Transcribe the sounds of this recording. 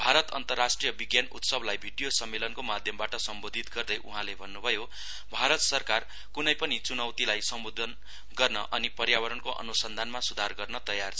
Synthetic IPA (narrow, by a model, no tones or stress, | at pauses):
bʱaɾʌt̪ʌ̰nt̪ʌrːasʈrijʌbiɡjanut̪sʌblajbʱiɖijosʌmːelʌnkomad̪ʱjʌmbaʈʌsʌmbod̪ʱit̪ɡʌrd̪ʌjʔuɦãlebʱʌnːubʱʌjo | bʱaɾʌt̪sʌrkar | kunʌjpʌnit͡sunʌwt̪ilajsʌmbod̪ʱʌn | ɡʌrnʌ̰ʔʌnipʌrjawʌɾʌnkoʔʌ̰nusʌnd̪ʱanmasud̪ʱarɡʌrnʌt̪ʌjart͡sʰ